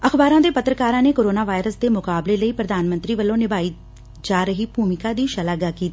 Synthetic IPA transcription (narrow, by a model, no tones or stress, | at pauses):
əxbaːɾãːd̪eːpət̪ɾəkaːɾãːneːkoːɾoːnaːʋaːɪɾəsd̪eːmʊkaːbleːləiːpɾəd̪aːnmə̃nt̪ɾiːʋəlːõːnɪbaːiː | d͡ʒaːɾəɦiːbʱuːmɪkaːd̪iːʃəlaːɡaːkiːt̪i